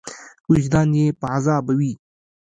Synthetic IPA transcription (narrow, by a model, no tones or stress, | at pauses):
ʊʃd̪ɑnjepəʕazɑːbawi